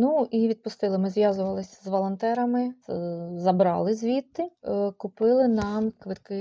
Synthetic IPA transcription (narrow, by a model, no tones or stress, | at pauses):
nuʔiʋʲid̪̚pʊst̪ɪlˠɪmɪzʋjazʊʋɐlˠɪsʲzʋɔlˠɐnt̪ɛɾɐmɪ | zɐbɾɑ̰lˠɪzʲʋʲit̪ːɪkʊpɪlˠɪnɑmkʋɪt̪kɪ